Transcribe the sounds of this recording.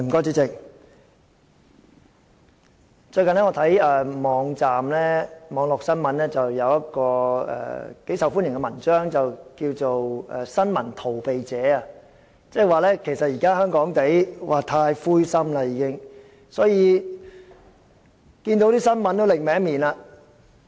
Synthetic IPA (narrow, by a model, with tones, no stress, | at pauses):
m̩˨˩kɔː˥t͡si˧˥t͡sɪ˨k̚ | t͡ʃɵ˧jkɐ˨nlɛː˥ŋɔː˧t̪ʰɐ˨˥jɛ˨mɔː˨˧˥ŋt͡saː˨mlɛː˥mɔː˨˧˥ŋlɔː˨k̚sɐ˥nmɐ˨˧˥nlɛː˥t͡sɐ˨wjɐ˨˧wjɐ˥t̚kɔː˧ɛ̰ː˨ke˨˥jsɐ˨wfu˥njɪ˨˩ŋkɛ˧mɐ˨˩nt͡ʃœː˥ŋt͡sɐ˨wkiː˧wt͡so˨wɛ̰˨sɐ˥nmɐ˨˩nt̪ʰo˨˩wpe˨jt͡sɛː˨˥a˧ | t͡sɛː˥˨waː˨lɛː˥kʰe˨˩jsɐ˨t̚jiː˨˩kaː˥hœː˥ŋkɔː˨˥ŋt̪e˨˥jwʔaː˨˧t̪ʰaː˧jfuː˥jsɐ˥mlɐ˧jiː˨˧kɪ˥ŋ | sɔː˨˥jiː˨˧ | kiː˧nt̪o˨˥wt̪iː˥sɐ˥nmɐ˨˥nt̪o˥wlɪ˨k̚mɛː˨˥ŋmiː˨˩na˧